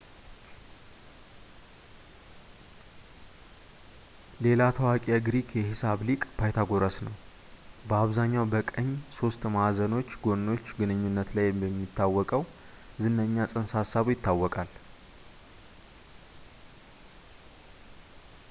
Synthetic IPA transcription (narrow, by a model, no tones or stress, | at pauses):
le̞lat̪ʰəwakʼijaɡɾikjɛhisaβlikʼb̥ajt̪ʰaɡo̞ɾəsnəw | bəaβzaɲːawbəkʼəɲːso̞st̪mazəno̞t͡ʃːɡo̞nːo̞t͡ʃːɡɨnɨɲːunːət̪lajbɛmːit̪ːawːɔkʼəw | zɨnːəɲːasʼɨnsasːaβujɪt̪ʰːawːɔkʼal